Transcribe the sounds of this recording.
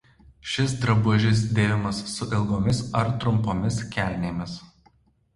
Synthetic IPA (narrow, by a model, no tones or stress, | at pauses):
ʃʲɪsd̪ɾɐbuɔʒʲɪs̬d̪ʲeːʋʲɪmɐsːʊʔɪlˠɡoːmʲɪsɐɾt̪ɾʊmpoːmʲɪskʲæːˑlʲnʲeːmʲɪs